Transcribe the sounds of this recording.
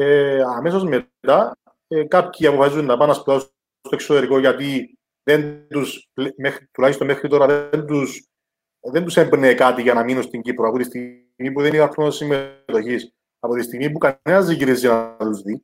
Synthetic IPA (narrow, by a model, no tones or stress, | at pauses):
eɐmes̬ozme̞ | t̪ɐ | ekɐpçiɐpofɐsizunːɐpɐnːɐspuðɐs | st̪oeksot̪eɾiko̞ʝɐt̪i | ðentt̪usplmexɾit̪ulɐçist̪omexɾit̪o̞ɾɐðend̪us | ðent̪usembnekɐt̪iʝɐnɐminust̪iɲɟipɾoɐpot̪ist̪i | mipuðenit̪ɐkɾonsimːet̪o̞çis | ɐpot̪ist̪iɣmipukɐnenɐzðiʝiɾizinɐt̪uzði